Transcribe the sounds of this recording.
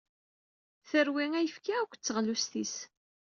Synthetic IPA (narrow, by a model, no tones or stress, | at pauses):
θəɾwiŋæjəfkiækʷːt͡sːəʁlust̪is